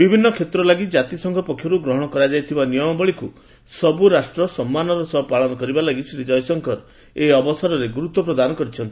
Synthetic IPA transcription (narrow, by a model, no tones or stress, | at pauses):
bibʱinːɔkʰet̪ɾɔlaɡid͡ʒat̪isɔŋkʰɔpɔkʰːjɔɾuɡɾɔɦɔɽ̃ɔkɔɾad͡ʒajt̪ʰibanijɔmɔbɔɭiku | sɔbuɾasʈɾɔsɔmːanɔɾɔsɔpaɭɔnɔkɔɾibalaɡisɾid͡ʒɔjɔsɔŋkʰɔɾ | eɔbɔsɔɾɔɾeɡuɾut̪wɔpɾɔd̪anɔkɔɾit͡ʃʰɔnt̪i̥